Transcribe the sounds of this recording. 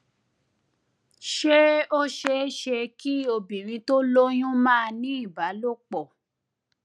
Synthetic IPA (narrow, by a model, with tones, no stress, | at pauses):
ʃe˦o˦ʃe˦ʃe˧ki˦o˧bi˨ɾĩ˧to˦lo˦j̃ũ˦mãː˦˧nĩ˦i˦˨ba˨˦lo˦˨k͡pɔ˨